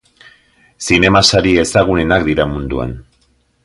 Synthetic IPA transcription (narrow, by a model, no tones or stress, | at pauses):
sine̞masaɾie̞saɣ̞unenakd̪iɾamund̪ua̰n